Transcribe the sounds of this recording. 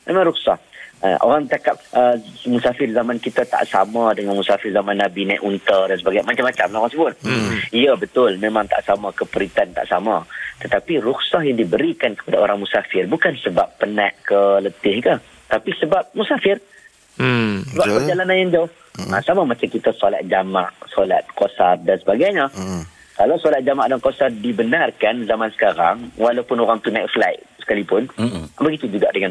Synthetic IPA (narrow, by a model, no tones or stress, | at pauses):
mẽmãŋɾuksa̰ha̰ʔo̰ɾaŋt̪akap̚əmusafɪrzamankit̪at̪a̰ʔsa̰mãdəŋanmusafɪrzamãnːabinãʔunt̪ədans̬əbaɡajmat͡ʃamːat͡ʃamlaoɣaŋsəbʊt̪̚iəbət̪ʊlmẽmãŋt̪a̰ʔsamakəpəɾit̪ant̪a̰ʔsamat̪ət̪apirʊksahjaŋdibəɾikankə̥padaoɾaŋmusafɪrbukansəbapːənaʔkələt̪ɪhɡə | t̪apisəbap̚musafɪr | səbapərd͡ʒalananjaŋd͡ʒaʊh | asamamat͡ʃamkit̪asola̰t̪̚d͡ʒamaʔsola̰t̪̚kosardansəbaɡajɲa | kalawsolat̪̚d͡ʒamaʔdankosardibənarkanzamansə̥kaɾa̰ŋwalawpʊnoɾaŋt̪unajʔflajʔsə̥kalipʊnbəɡit̪ud͡ʒuɡa̰ʔdəŋan